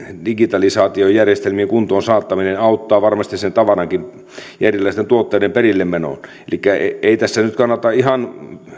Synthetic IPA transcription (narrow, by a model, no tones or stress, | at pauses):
diɡit̪ɑlisɑːt̪iojjærjest̪elmieŋkunt̪oːnsɑːt̪ːɑminenɑˑut̪ːɑːʋɑrmɑst̪isent̪ɑʋɑrɑŋkin | jærilːˑæist̪ent̪uot̪ːeːdemperilːemmeno̰n | ḛlikːæeˑit̪æsːænyt̪kɑnːɑt̪ɑihɑn